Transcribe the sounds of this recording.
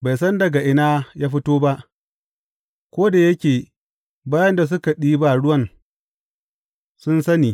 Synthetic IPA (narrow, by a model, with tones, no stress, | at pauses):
ba˨jsɐ˦ndɐ˨ɡa˨ʔɪ˦naː˦jaː˦ɸɪ˦toː˦ba˦ʔ | kʷoː˦da˨jɐ˦kʲeː˨ | baː˦jɐ˦nda˨s̬ʊ˦ka˨ɗiː˦ba˨ɽʊ˦wɐ˦˨n | sʊ˦nsɐ˦niː˨